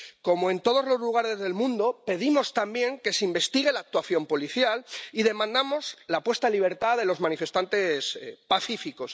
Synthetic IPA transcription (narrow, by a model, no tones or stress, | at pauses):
ko̞moe̞nt̪o̞ð̞ozlo̞zluɣ̞aɾe̞zðe̞lmũnd̪o̞pe̞ðimo̞st̪ambje̞ŋke̞seimbe̞st̪iɣ̞e̞laːk̚t̪waθjo̞mpo̞liθjaliðe̞mãnd̪amo̞zlapwe̞st̪aliβ̞e̞ɾt̪aðe̞lo̞zmãnife̞st̪ant̪e̞spaθifiko̞s